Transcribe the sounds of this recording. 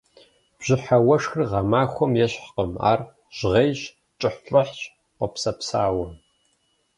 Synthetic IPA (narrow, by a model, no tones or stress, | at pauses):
b̥ʑ̥ɪħawɐʂxrʁɐmaːxʷɔmjɛɕħqəma̰ːr | ʒ̥ʁejɕ | t͡ʃʼɪħɬʼɐħt͡ʃʼ | qʷɔpsɐpsaːwɐ